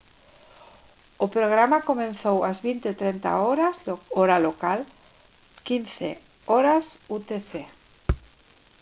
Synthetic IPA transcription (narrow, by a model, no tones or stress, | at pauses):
opɾoɣɾamakomẽnθowazβint̪et̪ɾent̪a̰oɾazoɾalokal | kinθḛ | oɾasut̪eθe